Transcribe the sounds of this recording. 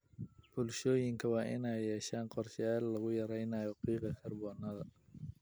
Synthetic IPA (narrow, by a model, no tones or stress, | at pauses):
bʊlʃɔːjɪŋkʰɐwɑːʔɪnɛjːɛːʃaːnqɔrʃjaːlːɐɣʊjɐɾɛjnaːjɔqiːqɐkʰɐrbɔːnɐðɐ